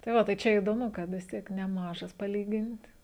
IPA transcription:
tɐɪ ˈʋɐ tɐɪ ˈt͡ʃʲɛ ɪdoːˈmʊ kɐt ʋʲɪs ˈtʲiɛk nʲɛˈmɑːʒɐs pɐˈlʲiːɡʲɪnt

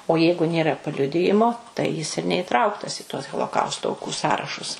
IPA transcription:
oː ˈjɛɪɡʊ ˈnʲeːrɐ pɐˈlʲʊdʲɪjɪmoː tɐɪ jɪs ɪr nʲɛɪˈtrɐʊktɐs ɪ tuɔs ɣoːlˠoːˈkɐʊstoː ɐʊˈkuː ˈsɑːrɐʃʊs

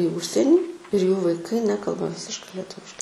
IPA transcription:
iː ˈʊʃʲsʲiɛnʲiː ɪr juː ʋɐɪˈkɐɪ ˈnʲæːkɐlˠbɐ ˈʋʲɪsʲɪʃkɐɪ lʲɛˈtʊʋʲɪʃkɐɪ

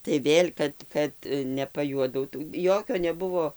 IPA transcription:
tɐɪ ˈʋʲeːlʲ ˈkɐt ˈkɐt nʲɛpɐˈjuɔdɐʊtuː ˈjoːkʲoː nʲɛˈbʊʋoː

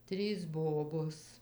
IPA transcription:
ˈtʲrʲiːs ˈboːboːs

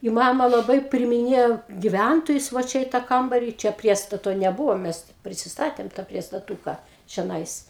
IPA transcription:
ɪ ˈmɑːmɐ lˠɐˈbɐɪ pʲrʲɪɪmʲɪˈnʲeːjoː ɡʲɪˈʋʲæntoːjʊs ʋɐ ˈt͡ʃʲɛ ɪ tɐ ˈkɐmbɐrʲɪ t͡ʃʲɛ ˈpʲrʲiɛstɐtoː nʲɛˈbʊʋoː ˈmʲɛs ˈpʲrʲɪsʲɪsˈtɑːtʲeːm tɐ pʲrʲiɛstɐˈtuːkɐ t͡ʃʲɛˈnɐɪs

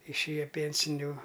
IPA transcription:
ɪʃʲˈeːjɛ ˈpʲeːnʲsʲɪnʲʊ

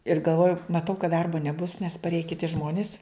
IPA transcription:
ɪr ɡɐlˠˈʋoːjʊ mɐˈtɐʊ kɐt ˈdɐrboː nʲɛˈbʊs nʲɛs pɐrʲˈeːjɛ kʲɪˈtʲɪ ˈʒmoːnʲɪs

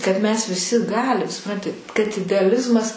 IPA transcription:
kɐt mʲɛs ʋʲɪˈsʲɪ ˈɡɑːlʲɪm sʊˈprɐnʲtʲɪ kɐt ɪdʲɛɐˈlʲɪzmɐs

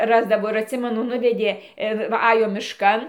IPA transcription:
ˈrɑːzdɐʋoː ɪr ɐtʲˈsʲɪmʲɛnʊ ˈnʊʋʲɛdʲeː ˈɪr ʋɐ ˈɑːjoː mʲɪʃˈkɐn

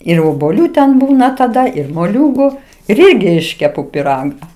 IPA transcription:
ɪr oːbuɔˈlʲuː tʲɛn ˈbuːnɐ tɐˈdɐ ɪr moːˈlʲuːɡʊ ɪr ˈɪrʲɡʲɪ ˈɪʃʲkʲɛpʊ pʲɪˈrɑːɡɐ

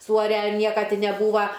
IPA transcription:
ˈsuːɐrʲɛ ɪr ˈnʲiɛkɐ ˈtʲɪ nʲɛˈbuːʋɐ

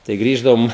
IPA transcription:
tɐɪ ˈɡrʲiːʒdɐʋoːm

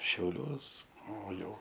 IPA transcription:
ʃʲɛʊˈlʲuɔs oː ˈjɛʊ

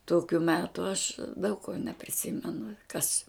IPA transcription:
ˈtoːkʲʊ ˈmʲæːtʊ ɐʃ dɐʊk koː nʲɛpʲrʲɪˈsʲɪmʲɛnʊ kɐs

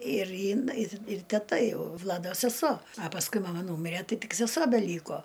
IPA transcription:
ɪr ɪn ɪ ɪr tʲɛˈtɐ ˈjɛʊ ˈʋlˠɑːdoː sʲɛˈsoː ɐ pɐsˈkʊɪ mɐˈmɐ ˈnuːmʲɪrʲɛ ˈtɐɪ ˈtʲɪk sʲɛˈsuɔ bʲɛˈlʲiːkoː

